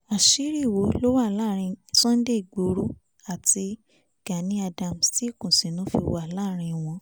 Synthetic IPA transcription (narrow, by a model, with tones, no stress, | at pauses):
a˨ʃi˨˦ɾi˦˨wo˨˦lo˦wa˦˨la˦˨ɾ̃ĩ˧sɔ̃˦n̩˦de˦i˨ɡ͡bo˨ɾu˦ | a˨ti˧˨ | ɡ̥a˨nĩ˨˦a˧dã˧˨m˨sti˦˨kũ˨sĩ˨nũ˨˦fḭ˧wa˦˨la˦˨ɾ̃ĩ˧w̃ɔ̃˧